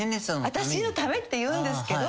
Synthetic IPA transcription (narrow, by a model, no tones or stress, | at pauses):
nesaβat̪aɕino̞t̪ame̞t̪ːe̞jɯ̟̃ːnd̪esɨ̥ked̪o